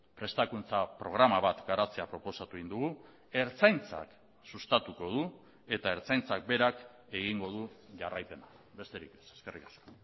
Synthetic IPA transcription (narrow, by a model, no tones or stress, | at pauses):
pɾe̞st̪akunt͡sapɾo̞ɣɾamaβat̪ɡaɾat͡seapɾo̞po̞sat̪uind̪uɣu | e̞ɾt͡sajnt͡sa̰k | sust̪at̪uko̞ð̞u | e̞t̪ae̞ɾt͡sajnt͡sak̚be̞ɾak | e̞ɣ̞iŋɡo̞ð̞uʝarajpe̞na | be̞st̪eɾike̥se̥ske̞rikasko̥